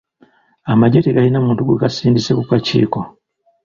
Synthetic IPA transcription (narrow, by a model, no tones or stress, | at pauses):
amaɟeteɡalinamuːntuɡḛɡasiːndisekukacḭːko̞